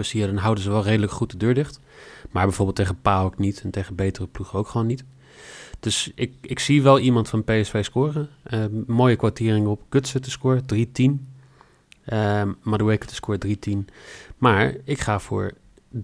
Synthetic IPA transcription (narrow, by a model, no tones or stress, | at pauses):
əsiədɑnɦʌwdənzəʋɛlˠrejdələkχut̚dədøːɹdɪχt | maːɹbɛjvʊːbɪlˠtʰːejχəpaːɔknitʰɛntejχənbejtərəpluχəowkχəʋoːnːit | d̥ɵsɪkɪksiʋɛlˠimɑntfɑnpejɛsfejskʊːrəəmoːjəkʋatɪːrɪŋəɔpɡ̥øtsətəskʊːɹədritin | maduejkətə̥skʊːɹdritinmaːɹɪkχaːfʊ̰ːɹ